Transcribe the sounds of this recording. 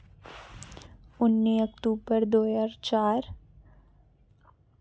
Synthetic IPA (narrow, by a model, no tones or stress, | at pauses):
ʊnːiːəkt̪uːbəɾd̪oːjaːɾt͡ʃaːɾ